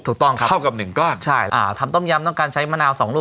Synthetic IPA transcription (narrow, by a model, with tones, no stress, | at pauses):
t̪ʰuː˨˩k̚t̪ɔ˥˩ŋkʰa˦˥a˥˩wka˨˩p̚nɯ˨˩ŋkɔː˥˩nt͡ɕʰa˥˩jʔa̰ː˧˩t̪ʰa˧mt̪ɔ˥˩mja˧mt̪ɔ˥˩ŋkaː˧nt͡ɕʰa˦˥jmaː˦˥˨naː˧wsɔː˩˦ŋɾuː˥˩